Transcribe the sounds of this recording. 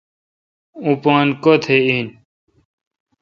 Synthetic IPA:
ũpãːnkot̪ʰein

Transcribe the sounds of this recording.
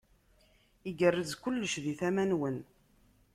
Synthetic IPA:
iɡərːəzkʊlːəʃðiθæmænwən

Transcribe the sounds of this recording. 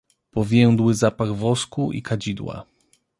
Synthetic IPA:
pɔvʲjɛw̃d̪wɘzapaɡvɔskuʔḭkad͡ʑid̪wa̰

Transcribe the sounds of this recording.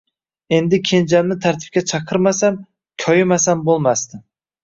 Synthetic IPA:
e̞nd̪ɪkʲʰe̞nd͡ʒamnɪt̪ʰaɾt̪ʰɪ̥p̚kʲat͡ʃʰɑqʰɨɾmasam | kʲʰɒjɪmasambolˠmast̪ɪ

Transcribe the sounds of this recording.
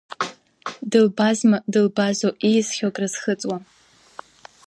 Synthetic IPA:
dɨlbazmadɨlbazoʔijzχʲokʼrɨz̥χət͡sʼwa

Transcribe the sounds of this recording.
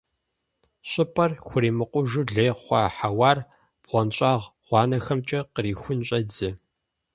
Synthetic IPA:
ɕʷʼɪpʼɐrxʷʊɾiːmɨqʷʊʒuɮeːʁχʷɑ̰ːħawɑːr | b̥ʁʷɔnɕʼɑːʁʁ̥ʷɑːnɐxɐmt͡ʃʼɐqəɾiːxʷʊnɕʼɐd͡zɨ

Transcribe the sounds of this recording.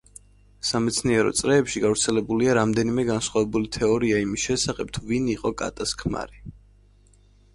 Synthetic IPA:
samɛt̪sʰniɛɾɔ̰t̪sʼɾɛːpʃiɡavɾt̪sʰɛlɛbuliaɾamd̪ɛnimɛɡansχwavɛbulit̪ʰɛɔɾiaimisʃɛsaχɛp̚t̪ʰuviniqʼɔkʼa̰t̪ʼaskʰma̰ɾi

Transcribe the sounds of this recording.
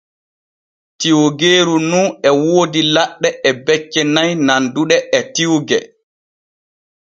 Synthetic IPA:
tiwɡeːɾununɛwoːdilaɗːɛɛbɛt͡ʃːɛnajnanduɗɛʔɛtiwɡɛ

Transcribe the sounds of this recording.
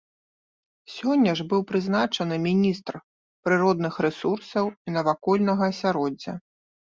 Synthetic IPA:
sʲɔnʲːɐʐbɨwpɾɨznat͡ʂɐnɨmʲinʲist̪r | pɾɨɾɔd̪nɨxɾɛsursɐwinɐvakɔlʲnɐɣɐːsʲaɾɔd͡zʲːɐ̰

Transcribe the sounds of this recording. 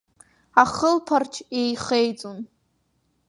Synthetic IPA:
aχəlpʰart͡ʃʰe̞jχejt͡sʼun

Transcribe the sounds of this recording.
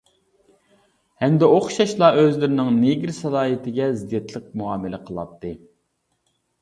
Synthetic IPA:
hɛmd̪ɛoχʃɑʃlˠɑʔøzlɪɾɪnɪŋneɡʲɾsɑlˠɑːit̪ʰɪɡʲɛzɪd̪jɛt̪ʰlˠəq̚muɑːmɪlɪqʰəlˠɑ̰p̚t̪ʰːɨ

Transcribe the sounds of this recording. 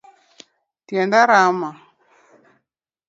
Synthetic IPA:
tjɛndaɾama

